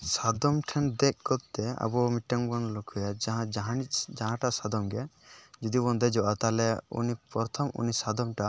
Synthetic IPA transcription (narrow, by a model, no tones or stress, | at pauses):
sad̪ɔmʈʰɛnd̪ɛk̚kɔt̪ːɛa̰bɔmiʈːaŋbɔnlɔkʰujaaɦãd͡ʒaɦaid͡ʒaɦãʈasad̪ɔmɡɛd͡ʒɔd̪ibɔnd̪ɛd͡ʒɔʔat̪alɛṵnipɔɾt̪ʰɔmʔṵnisad̪ɔmʈa